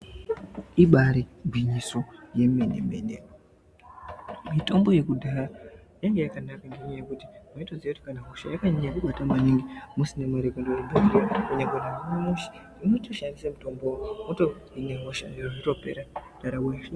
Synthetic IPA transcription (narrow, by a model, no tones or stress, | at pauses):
iɓaɾeɡwiɲiso̞je̞mendemḛnde | mito̞mbo̞je̞kudʱaɾa | jaŋɡejakanakandeɲejekuti̥muitod͡zioti̥kanaɦoʃa̰jakaɲiɲakuɓatamaniŋɡimusinemaɾekondowembeɾiakuɲeɡonamuʃi̥ | inotoʃandisemuto̞mbomuto | ineɦoʃa̰ndiroʐito̞pe̞̰ɾadaɾawa